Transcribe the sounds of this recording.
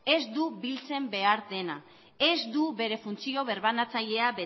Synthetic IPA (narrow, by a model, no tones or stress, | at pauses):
e̞zd̪uβilt͡se̞mbe̞aɾde̞na | e̞zd̪uβe̞ɾe̞funt͡sio̞β̞e̞ɾβanat͡saʎe̞aβe